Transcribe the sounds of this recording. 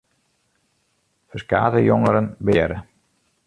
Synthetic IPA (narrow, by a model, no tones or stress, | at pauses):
fəska̰ːdəjɔŋəɾənbɪəɾə